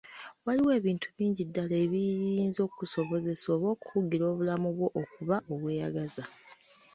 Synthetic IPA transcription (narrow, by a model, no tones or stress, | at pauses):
waliwe̞ːβiːntʰuβiːɲɟidːaleːβijiːnzo̞ːkuso̞βo̞ze̞so̞ːβo̞ːku̥fuɡiɾo̞ːβulamuβwo̞ʔokuβaʔo̞βwe̞ːjaɡaza